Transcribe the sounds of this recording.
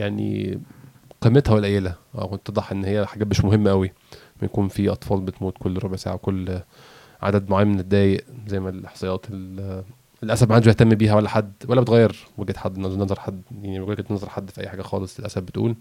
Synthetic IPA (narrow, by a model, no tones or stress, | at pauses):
jaʕnḭ | qimːet̪hæwelʔæjːelææ̰kot̪ːed̪ˤɑħʔenːhejːæħaɡæːmeʃmoɦemːæʔæwi | mæjækuːnfiʔɑt̪ˤfɑːlbet̪muːt̪kolːɾˤobeʕsa̰ːʕawekolː | ʕa̰d̪æd̪moʕajːmened̪ːæːjeʔzæjːmælħɑsˤɑjːɑːt̪el | elʔæsæbmaħand̪æʃbeht̪æmːbiːɦæwælːæħad̪ːwælːæbet̪ɣæjːeɾweɡet̪ħad̪ːʔenːɑznenzɑɾˤħad̪ːjaʕniuːlæket̪nezˤɑɾˤħad̪ːfiʔæ̰jːħaːɡæxɑ̰ːlesˤelʔæ̰sæbbet̪ʔṵːl